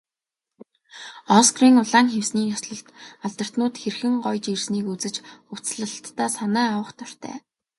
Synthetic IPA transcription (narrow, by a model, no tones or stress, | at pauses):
ɔskriːŋʊɮaːŋxewsniːjɔsɮɞ̆ɬt̪aɮt̪ə̆r̥t̪nʊːt̪xerxɘ̆ŋɢɔjt͡ɕirsniːkut͡sɘ̆t͡ɕʊt͡sɮə̆ɬt̪ːaːsanæːawə̆χt̪ɔr̥ʲt̪ʰæ̰ː